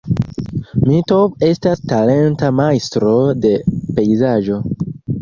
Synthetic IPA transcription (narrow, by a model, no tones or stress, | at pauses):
mito̞ve̞stastale̞ntamajstɾo̞de̞pe̞jzaʒo̞